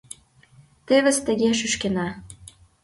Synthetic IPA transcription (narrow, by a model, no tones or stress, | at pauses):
t̪eβə̆st̪ə̆ɣeʃ̬yʃkenɑ